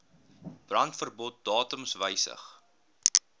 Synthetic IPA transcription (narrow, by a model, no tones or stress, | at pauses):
b̥rɐntfərbɔt̚dɑːtəmsvəjsə̰χ